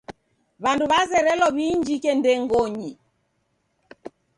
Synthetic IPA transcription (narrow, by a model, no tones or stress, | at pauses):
βanduβazɛɾɛlɔβiɲd͡ʒikɛndɛŋɡɔɲi